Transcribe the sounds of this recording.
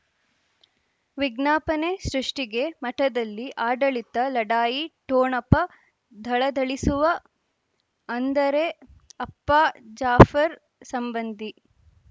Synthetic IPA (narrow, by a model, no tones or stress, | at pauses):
ʋiɡnaːpɐnesɾiʂʈiɡe̞mɐʈɐd̪ɐlːiʔaːɖɐɭit̪ɐlɐɖaːjiʈoːɳɐpːɐ | d̪ʱɐɭɐd̪ɐɭisuʋɐ | ɐnd̪ɐɾeɐpːaːd͡ʒaːfɐɾ | sɐmbɐnd̪ʱi